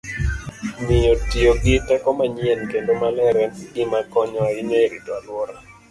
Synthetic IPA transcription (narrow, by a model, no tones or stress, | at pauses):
nɪjotioɡɪtɛkɔmaɲiɛnkendomalɛɾɛnɡɪmakɔɲɔineɾitalwɔɾa